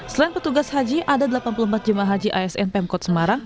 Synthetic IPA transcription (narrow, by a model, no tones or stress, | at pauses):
səlaɪnpət̪uɡashad͡ʒiʔadadəlapanpuluhəmpat̪̚d͡ʒumaɦad͡ʒiʔaɛsɛnpɛmkɔt̪̚səmaɾaŋ